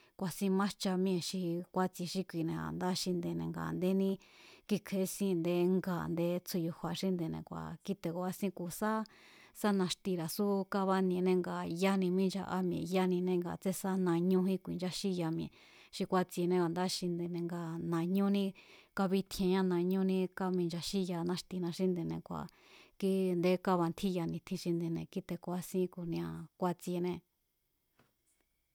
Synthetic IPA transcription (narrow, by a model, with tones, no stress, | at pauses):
kʷa˨sĩ˦˧mã˦ʃt͡ʃa˧mĩ˦ẽ˧˨ʃi˧kʷa˧t͡si˧ʃi˦kʷi˧˨nẽ˧a̰˨nd̪a˦ʃi˧nd̪e˧nḛ̃˧ŋɡa̰˨nd̪e˦nĩ˦ki˦kʰe˧˦sĩ˦˧nd̪e˧ŋɡa̰˨nd̪e˧t͡sʰu˧ju˧hʷa˨ʃi˦nd̪e˧nḛ̃˧˨kʷa̰˨ki˦t̪e˨ko˧a˧sĩ˦˧ku˧sa˦sa˦nã˧ʂt̪i˧ɾa˨su˦ka˦βa˦nĩ˧nẽ˦˧ŋɡa˨ja˦nĩ˧mĩ˦d͡ʒa˧ʔa̰˦mĩ˧˨ja˦nĩ˧nẽ˧ŋɡa̰˨t͡se˦sa˦nã˧ɲũ˦ɦĩ˦kʷḭ˨nd͡ʒa˦ʃi˦ja˧mĩ˧e˨ | ʃi˧kʷa˧t͡si˧nẽ˧βa˨nd̪a˦ʃi˧nd̪i˧nẽ˧ŋɡa˧˨nã˨ɲũ˦nĩ˦ka˧βi˦t̪ʰẽ˧ɲã˦nã˧˨ɲũ˦nĩ˦ka˧mĩ˧nd͡ʒa˧ʃi˦ja˧nã˦ʂt̪i˧nã˧ʃi˦nd̪e˧˨nḛ̃˧kʷa̰˨ | ki˦nd̪e˧˦ka˦βa˧nt̪ʰĩ˦ja˧nĩ˧t̪ʰĩ˧ʃi˧nd̪ĩ˧nẽ˧ki˦t̪e˧kʷa˧sĩ˦ku˧nĩ˧ã˧kʷa˧t͡si˧nẽ˧